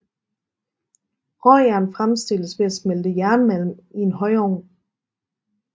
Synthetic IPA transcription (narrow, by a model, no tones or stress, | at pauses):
ʁɒæɐnfʁamsd̥e̝l̰əsʋe̝æsmeld̥əjæɐnəmæl̰m̩ie̝nɦɒ̽ɪɒːn